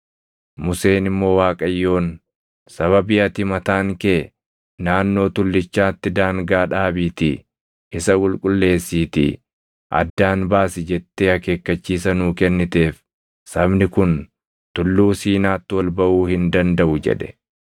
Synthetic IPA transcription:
mʊse̞ːnɪmːo̞ːwaːkʼɐjːo̞ːn | sɐβɐbɪʔɐt̪ɪmɐt̪aːŋkeː | naːnːo̞ːt̪ʊlːɪt͡ʃːaːt̪ːɪd̪aːŋɡaːᶑaːbiːt̪ɪ | ʔɪsɐkʼʊlkʼʊlːe̞ːsːiːt̪ɪ̰ | ʔɐ̰d̪ːaːnbaːsɪd͡ʒɛt̪ːeːhɐke̞ːkːɐt͡ʃːiːsɐnuːkɛnːɪt̪e̞ːf | sɐbnɪkʊn | t̪ʊlːuːsiːnaːt̪ːɪwɐlbɐʔuːhɪnd̪ɐnd̪ɐʔʊd͡ʒɛ̰ᶑɛ̥̰

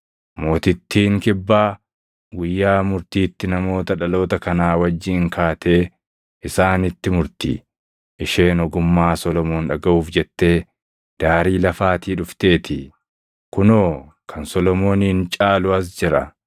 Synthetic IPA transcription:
mo̞ːt̪ɪt̪ːiːŋkɪbːaː | ɡʊjːaːmʊɾt̪iːt̪ːɪnɐmo̞ːt̪ɐᶑɐlo̞ːt̪ɐkɐnaːwɐd͡ʒːiːŋkʰaːt̪ʰe̞ː | ʔɪsaːnɪt̪ːɪmʊɾt̪ḭː | ʔɪʃe̞ːnɔɡʊmːaːsɔlɔmoːnᶑɐɡɐʔuːfd͡ʒɛt̪ːe̞ː | d̪̥aːɾiːlɐfaːt̪iːᶑʊft̪e̞ːt̪ɪ | kʊnoː | kʰɐnsɔlɔmo̞ːnɪɪnt͡ʃʼaːlʊɐs̬d͡ʒɪɾɐ̰

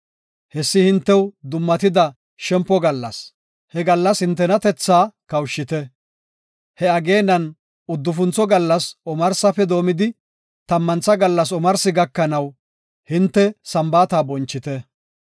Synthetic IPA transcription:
hɛsːɪhɪnt̪ːɛwd̪ʊmːɐt̪ɪd̪ɐ | ʃɛmpːɔɡɐlːɐ̰s | hɛɡɐlːɐshɪnt̪̬ːɛnɐt̪ɛt͡sːaːkɐwʃːɪt̪ɛ | hɛɐɡe̞ːnːɐn | ʊd̪ːʊfʊnt͡sɔɡɐlːɐsɔmɐɾsɐfɛd̪o̞ːmɪd̪ɪ | t̪ɐmːɐnt͡sːɐɡɐlːɐs̬ɔmɐɾsɪɡɐkːɐnɐw | hɪnt̪ːɛsɐmbaːt̪aːbɔnt͡ʃːɪt̪ɛ

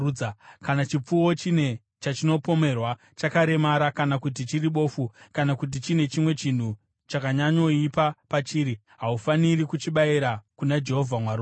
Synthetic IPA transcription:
kanat͡ʃip͡fuwo̞t͡ʃine̞ | t͡ʃat͡ʃino̞po̞me̞rwa | t͡ʃakaɾe̞maɾakanakut̬it͡ʃiriɓo̞ːfukanakut̬it͡ʃine̞t͡ʃimwe̞t͡ʃin̤u | t͡ʃakaɲaɲo̞ipapat͡ʃiːɾi | ɦaufanirikut͡ʃiɓaiɾakunad͡ʒe̞ɦo̞vʱamwaɾu

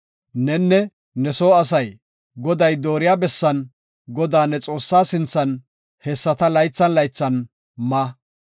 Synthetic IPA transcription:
nɛnːɛ | nɛsoːɐs̬ɐj | ɡɔd̪ɐjd̪oːɾɪjaːbɛsːɐn | ɡɔd̪aːnːɛt͡sʼo̞ːsːaːsɪnt͡sːɐn | hɛsːɐt̪ɐlɐjt͡sːɐnlɐjt͡sːɐn | maː

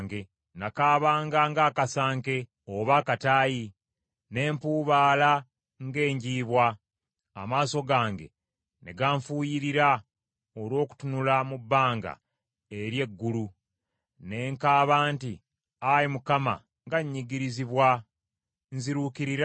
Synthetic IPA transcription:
ŋɡe | nakaːβaːŋɡaŋɡakasaːŋke̞ | oβaːkataːji | ne̞ːmpuːβaːla | ŋɡe̞ːɲɟiːβwa̰ː | maːso̞ɡaːŋɡe̞̰ | neɡaːɱfuːjiɾiɾa | olwo̞ːku̥tunulamubːaːŋɡa̰ | eɾje̞ɡːulu | ne̞ːŋkaːβaːnti | ajimukama̰ | ŋɡaɲːiɡiɾiziβwa | nziɾukiɾiɾ

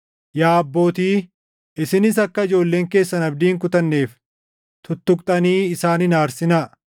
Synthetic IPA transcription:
jaːbːo̞ːt̪iː | ɪsɪnɪsɐkːɐɪd͡ʒo̞ːlːe̞ːŋke̞ːsːɐnɐb̚d̪iːŋk̬ʊt̪ɐnːe̞ːf | t̪ʊt̪ːʊk̚ʼt̪ʼɐniːɪsaːnɪnaːɾsɪnɐ

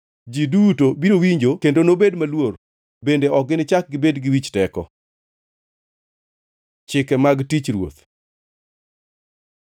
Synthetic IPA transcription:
d͡ʒidutobiɾowiɲd͡ʒokendonobedmalwor | bendeɔk̚ɡɪnɪt͡ʃak̚ɡɪbedɡɪwit͡ʃtɛkɔ̰ | t͡ʃɪkɛmaɡtit͡ʃɾwo̰t̪

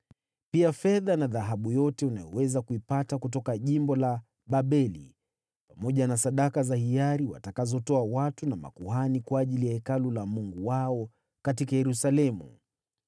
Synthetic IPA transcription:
piafɛðanaðaɦaɓujɔtɛunajɔwɛzakuipatakut̬ɔkaʄimbɔla | ɓaɓɛlḭ | pamɔʄanasaɗakazahiaɾiwa̰takazɔtɔawatunama̰kuhanikwaːʄilijahɛkalulamuŋɡuwaɔ | katikajɛɾusalɛmṵ

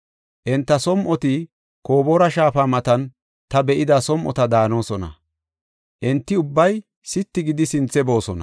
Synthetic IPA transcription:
ʔɛnt̪ːɐsɔmʔɔt̪ɪ | ko̞ːboɾɐʃaːfaːmɐt̪ɐn | t̪ɐbɛʔɪd̪ɐsɔmʔɔ̰t̪ɐd̪aːno̞ːsɔnɐ̰ | ʔɛnt̪ːɪʊbːɐj | sɪt̪ːɪɡɪd̪ɪsɪnt͡sːɛbo̞ːsɔnɐ̰

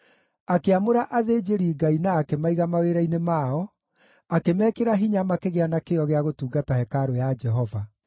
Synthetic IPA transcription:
akeamoɾaʔaðed͡ʑeɾiːɡainaːkemaiɣamaweɾainemaːɔ | akemɛːkeɾaɦiɲamakeɣeanakeɔɣeaɣotuːɡatahɛkaɾojad͡ʒɛɦɔva

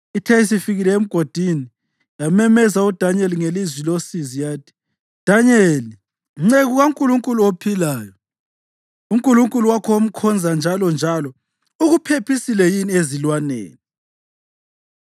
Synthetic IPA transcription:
itʰɛis̬ifiɣilɛem̩ɡ̥ʱod̥ʱini | jamɛmɛzaud̥ʱaɲeliŋelizwilosizijaːtʰi̥ | d̥ʱaɲeli | ŋ͡ǀeɣuɣauŋkʼuluŋkʼuluopʰilaːjɔ | uŋkʼuluŋkʼuluwakʰɔom̩kʰɔnd͡zʱand͡ʒʱalɔnd͡ʒʱalɔ | uɣupʰepʰisilɛjiniezilwanḛːni

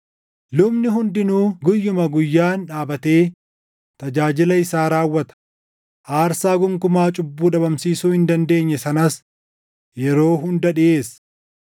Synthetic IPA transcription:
lʊbnɪhʊnd̪ɪnuːɡʊjːʊmɐɡʊjːaːnᶑaːbɐt̪e̞ː | t̪ɐd͡ʒaːd͡ʒɪlɐɪsaːɾaːwːɐt̪ɐ̥ | ʔaːɾsaːɡʊŋkʊmaːt͡ʃʼʊbːuːᶑɐbɐmsiːsuːhɪnd̪ɐnd̪e̞ːɲːɛsɐnɐs | jɛɾo̞ːɦʊnd̪ɐɗɪʔe̞ːs

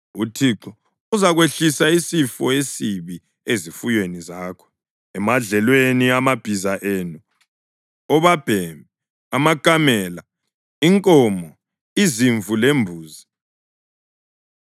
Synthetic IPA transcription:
utʰiǀɔ | uzaɣweɬisaisifɔesiβi | ezifujwenizaːkʰɔ̥ | ɛmaɮɛlweniamab̥ʱizaʔeːnu | ɔβab̥ʱɛmbʱɛ | amakʼamɛːla | iŋkʼɔːmɔ | iziɱvʱulembʱuːzi

